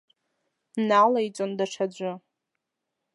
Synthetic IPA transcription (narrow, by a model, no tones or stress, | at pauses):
nalajt͡sʷʼondaʈ͡ʂʰad͡ʒʷʊ